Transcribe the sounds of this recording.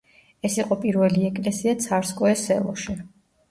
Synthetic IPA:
ɛsiqʼɔpʼiɾvɛliɛkʼlɛsiat̪sʰaɾskʼɔɛsɛ̰lˠɔ̰ʃi

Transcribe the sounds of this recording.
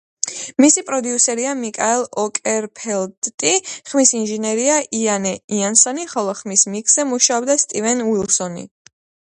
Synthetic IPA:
misipʼɾɔd̪iusɛɾiamikʼaɛlˠɔkʼɛɾpʰɛlt̪ʼt̪ʼiχmisinʒɛnɛɾiaʔianɛiansɔniχɔlˠɔχmismikʰsɛmuʃaɔbd̪ast̪ʼivɛnwilˠsɔnḭ

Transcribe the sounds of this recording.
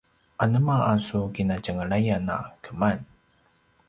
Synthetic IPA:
ʔanəmaʔasuɡinad͡ʒəŋəɭajana̰kəman

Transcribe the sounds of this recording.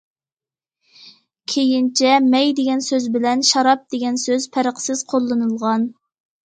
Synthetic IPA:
kʲʰejint͡ʃʰɛmɛjd̪eɡʲɛnsøzbɪlɛnʃɑɾɑp̚d̪̥eɡʲɛnsøz̥pʰæɾəqʰsɪz̥qʰolˠːɨnɨlˠʁɑn

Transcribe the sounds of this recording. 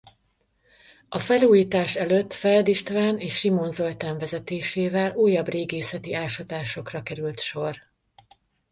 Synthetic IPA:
ɒfɛluːjiːt̪aːʃɛløt̪ːfɛld̪iʃt̪vaːneːʃːimo̞nzo̞lt̪aːɱvɛzɛt̪eːʃeːvɛluːjːɒbreːɡeːsɛt̪iaːlʃɒt̪aːʃo̞krɒkɛɾylt̪ʃo̞r

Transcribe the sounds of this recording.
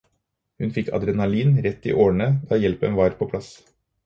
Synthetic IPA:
hʉnfɪkʰɑ̰d̪ɾɛnɑliːnɾɛt̪ːḭːʔoːɳəd̪ɑːjɛlpə̰nʋɑːɾpʰoːpʰlɑs

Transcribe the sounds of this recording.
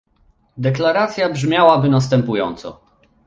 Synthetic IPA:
d̪ɛklaɾat̪sʲjabʐmʲjawabɘnast̪ɛmpujɔ̰nt̪sɔ̰

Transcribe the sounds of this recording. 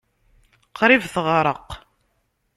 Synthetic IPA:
qʰɾˤivθʁɾˤəq

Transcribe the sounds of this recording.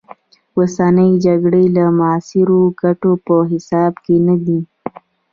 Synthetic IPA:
wosanəid͡ʒaɡɽəlamaɑsɪɾoɡaʈopəɦɪsɑbkenad̪i

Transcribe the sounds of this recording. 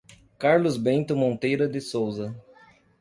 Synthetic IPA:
kaɾlʊzbẽnt̪ʊmõnt̪ejɾɐd̪ɪsowzɐ

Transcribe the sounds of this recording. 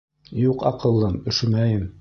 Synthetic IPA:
juqɑqɤ̆lˠːɤmɵ̆ʃɘ̆mæjɘm

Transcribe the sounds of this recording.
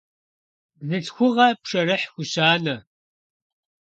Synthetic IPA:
nɨɬxʷʊʁɐpʂɐɾɨħxʷʊɕaːnɐ

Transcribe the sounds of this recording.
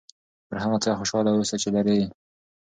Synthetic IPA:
pəɾɦamat͡sajxoʃɑlawusat͡ʃelaɾe

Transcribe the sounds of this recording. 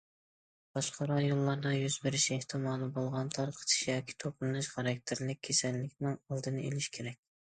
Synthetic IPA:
b̥ɑʃqʰɑɾɑjolˠːɑɾd̪ɑjyzbɪɾɪʃeht̪ʰɨmɑːlˠɨbolˠʁɑnt̪ʰɑɾqʰə̥t̪ʰɪ̥ʃjɑːkʲʰi̥t̪ʰoplˠɨnɨʃχɑɾɑk̚ʲt̪ʰeɾlɪk̚ʲʰːesɛlːɪkʲnɪŋɑlˠd̪ɨnɨḛlɪʃkʲʰeɾɛkʲ

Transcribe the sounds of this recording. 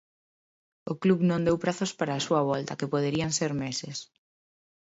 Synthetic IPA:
okluβnõnd̪ewpɾaθospaɾaːsuaβ̞ɔlt̪ɐkepoð̞eɾiaŋseɾmesɪs

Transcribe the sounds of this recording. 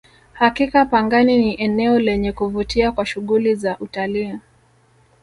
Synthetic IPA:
hakikapaŋɡaniniʔɛnɛɔlɛɲɛkuvutiakwaʃuɠulizaʔutaliː

